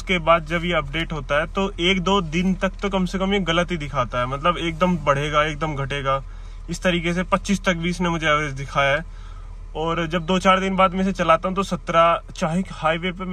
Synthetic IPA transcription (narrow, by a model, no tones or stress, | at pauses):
skebaːd̪d͡ʒɐbjeɐp̚ɖeːʈɦoːt̪aɦɛt̪oʔeːkd̪oːd̪ɪnt̪ɐk̚t̪okɐmsekɐmjeɣɐlət̪ɦid̪ɪkʰaːt̪aɦɛmɐt̪ləbeːk̚d̪əmbɐɽ̤eːɡaeːk̚d̪əmɡʱɐʈeːɡaː | ɪst̪ɐɾiːkes̬epɐtːʃiːst̪ɐk̚bʱiːɪsnemʊd͡ʒʱeɛeːd͡ʒd̪ɪkʰaːjaɦɛː | ɔːɾd͡ʒɐb̚d̪oːt͡ʃaːɾd̪ɪnbaːd̪mẽset͡ʃɐlaːt̪aɦũt̪osɐt̪ɾat͡ʃaːɦɪkhaːiʋepe